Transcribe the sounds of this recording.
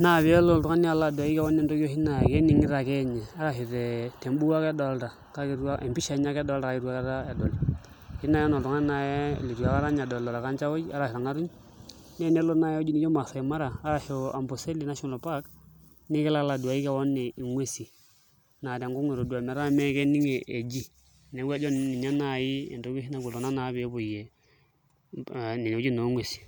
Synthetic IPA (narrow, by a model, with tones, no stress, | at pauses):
na˨βi˨˦ɛ˦lo˦˨ltu˦ŋa˦ni˦a˦˨la˦˨du˨a˨ji˦ka˦wo˦nːe˨ndo˦ɡo˦hi˦na˨ke˦ni˨ŋi˦ɾa˨kɛ˦ɲɛ˨a˦ɾa˨ɦi˨ɾe˨te˨mbu˦wa˦ke˦do˨lta˨ | ka˦ki˦ɾu˦a˦ʔe˨mpi˦ʃa˨˦ɲa˦kɛ˦dɔ˦lda˨ka˦ki˦ɾu˦a˦ka˦ɾa˦e˨do˨l | hi˦na˦jɛ˦no˨ltu˨ŋa˦na˨j̰le˨ɾu˨a˨ka˦ɾa˦ɲ˨dɔ˨lɔ˨ɾa˨ka˦nt͡ʃa˦wo˦d͡ʒa˦ɾa˨hi˨ɾa˨ŋa˦ɾu˦ɲ | ne˦˨ne˦lo˦na˦jd͡ʒi˦ni˦d͡ʒo˦ma˨fo˨e˨ma˦ɾaː˨˦ɾa˨ʃo˨a̰˨mbo˨se˦li˨na˦ʃɔ˦na˨lpa˦k | ni˦ke˦la˦la˨du˨a˨ji˦ka˨wo˦nːe˨i˨ŋwe˦˨si˨ | na˨de˨ŋɡu˦ŋe˨ɾo˨du˨a˨m˨˦ɾa˦me˦ke˦ni˦ŋe˨ʔe˨d͡ʒi˦ | ne˨˦ɡʷe˦d͡ʒo˦nːi˨ɲa˦na˦˨ji˦ḛ˨to˦bi˦hi˦na˦˨ɡu˨lo˨na˦na˨˦be˨˦bo˨je˨ | ni˨n˨˦d͡ʒi˦no˨˦ŋwe˨si̥˨